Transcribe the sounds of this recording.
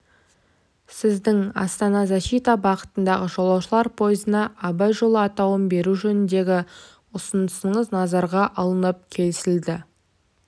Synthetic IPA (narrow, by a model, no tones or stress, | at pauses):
sɪzd̪ɪŋɑ̰st̪ɑnɑzæʃit̪ɑbɑqə̥t̪ənd̪ɑʁəʒo̞lˠɑwʃəlˠɑɾpʰo̞jəzənɑʔːbɑjʒo̞lˠəɑt̪ɑwəmbe̞ɾuʒɵnɪnd̪e̞ɡʲɪ | ʊsənd̪əsəɴəznɑzɑɾʁɑʔɑlˠənəp̚kʲʰe̞lɪsɪld̪ɪ